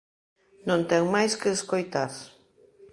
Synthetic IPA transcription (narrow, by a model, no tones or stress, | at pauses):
nõnt̪ɛŋmajskeːskojt̪aɾ